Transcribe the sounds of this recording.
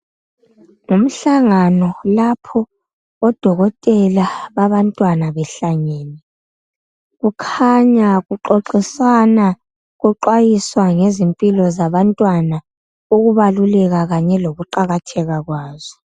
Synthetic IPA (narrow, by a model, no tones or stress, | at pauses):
ŋum̩ɬaŋanɔlapʰɔː | d̥ʱɔɣɔtʼɛlaβaβantʼwanaβɛɬaɲɛːnɛ | ɣukʰaɲaɣuǃoǃisana | ɣuǃwajiswaŋezimpʼilɔzaβantʼwana | uɣuβalulɛɣaɣaɲɛloɣuǃaɣatʰɛɣaɣwaːzɔ